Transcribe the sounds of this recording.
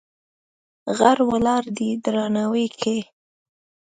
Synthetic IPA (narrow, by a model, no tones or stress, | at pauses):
ɣaɾwalɑɾd̪id̪ɾɑnawekʰe